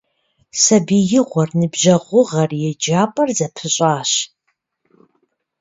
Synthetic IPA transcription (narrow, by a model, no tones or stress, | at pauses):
sɐbijɪʁʷɔrnɨbʒɐʁʷʊʁɐrjɛd͡ʒaːpʼɐrzɐpʰɨɕʼaːɕ